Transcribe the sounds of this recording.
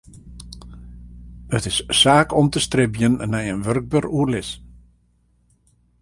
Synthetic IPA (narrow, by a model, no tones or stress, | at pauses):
ətɪssaːkʰɔmtəstrɪbjənːɛjənʋørɡ̚børuərlɪs